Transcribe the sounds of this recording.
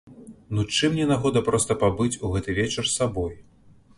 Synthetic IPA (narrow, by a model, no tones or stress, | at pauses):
nut͡ʂɨmnʲɛnaɣɔd̪ɐpɾɔst̪ɐpabɨt͡sʲuɣɛt̪ɨvʲɛt͡ʂɐrsabɔj